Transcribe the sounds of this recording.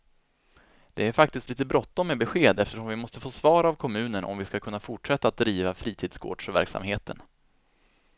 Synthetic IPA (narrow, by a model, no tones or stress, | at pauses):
d̪̥ɛæɾfakt̪ɪst̪liːt̪əbɾɔt̪ːɔmːɛbɛɧeːd̪ɛft̪əʂɔmvɪmɔst̪əfoːsvɑːɾavkʰɔmʉ̟ːnənʔɔ̰mvɪskakʰɵnːafʊʈʂɛt̪ːaːt̪̚d̪ɾiːvafɾiːt̪ʰiːd̪̥sɡʰo̰ːɖ̥ʂvæ̰ɾksa̰mheːt̪ʰən